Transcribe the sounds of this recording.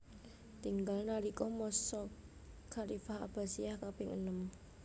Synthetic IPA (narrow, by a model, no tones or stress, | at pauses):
t̪iŋɡalnaɾikɔmɔsɔ | kʰalifaha̰b̥a̤siahkapɪŋə̰nəm